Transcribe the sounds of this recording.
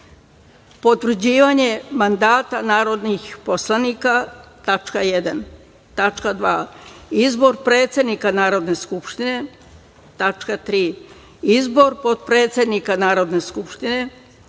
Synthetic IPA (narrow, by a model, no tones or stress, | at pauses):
po̞t̪ʋɾ̩d͡ʑiːʋaɲe̞mand̪aːt̪anaːɾo̞d̪nixposlˠanikat̪at͡ʃkajed̪an | t̪at͡ʃkad̪ʋaːizbo̞ɾpɾe̞ːt̪se̞d̪nikanaːɾo̞d̪neskupʃt̪ine̞ | t̪at͡ʃkat̪ɾiː | izbo̞ɾpo̞t̪pɾe̞ːt̪sʲe̞d̪nikanaːɾo̞d̪ne̞skupʃt̪ine̞